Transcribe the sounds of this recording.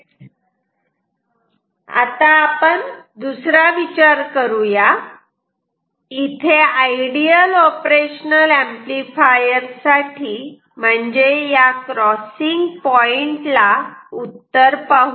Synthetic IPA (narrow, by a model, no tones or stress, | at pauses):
a̰t̪aːpəɳd̪usɾaʋit͡ɕaɾkəɾuja | it̪ʰeajɽiəlɔpɾeɕnəlẽmplifajəɾsaʈʰiː | m̤əɳd͡ʑejakɾɔsiŋɡpɔiɳʈlaut̪ːəɾpaɦu